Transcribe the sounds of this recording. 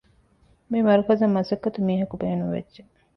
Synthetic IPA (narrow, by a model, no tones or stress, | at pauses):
mimɐɾukɐzɐmːɐsɐkːɐt̪umiːɦɐkubeːnuʋḛdʒe